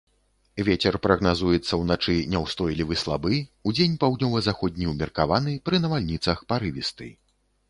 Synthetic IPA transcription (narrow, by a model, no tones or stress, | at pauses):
vʲet͡sʲɛrpɾɐɣnazujɛt̪sːɐwnat͡ʂɨnʲɛwst̪ɔjlʲivɨslˠabɨud͡zʲenʲpawd̪ʲnʲɔvɐzaxɔd̪ʲnʲiwmʲɛrkavanɨpɾɨnɐvalʲnʲit̪sɐxpaɾɨvʲist̪ɨ̰